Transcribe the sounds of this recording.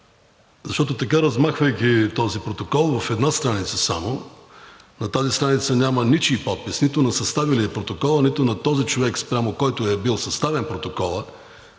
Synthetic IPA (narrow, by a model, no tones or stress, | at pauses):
zɐʃt̪ɔt̪ot̪ɐkaɾɐzmaxvəjk̟ʲit̪ɔzipɾot̪okɔlˠvɐfɛd̪nast̪ɾanit̪səsamo | nɐt̪azist̪ɾanit̪sənʲamənit͡ʃiːpɔt̪̚pisnit̪ʊnɐsɐst̪avilipɾot̪okɔlˠənit̪ʊnɐt̪ɔzit͡ʃovɛkspɾʲamokɔjt̪ʊɛbilˠsɐst̪avɛnpɾot̪okɔlˠə